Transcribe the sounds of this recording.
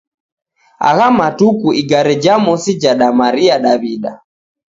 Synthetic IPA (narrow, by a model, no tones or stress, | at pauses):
a̰ɣamatukuʔiɡaɾɛd͡ʒamɔsid͡ʒaɗamaɾiaɗaβiɗa̰